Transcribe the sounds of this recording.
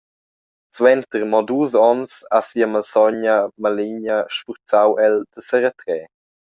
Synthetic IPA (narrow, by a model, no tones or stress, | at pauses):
t͡swɛnt̪əɾmɔd̪uːzɔnsasiəməlsɔɲəmaliɲəʃfuɾt͡sawʔɛld̪̥əsəɾət̪ɾɛː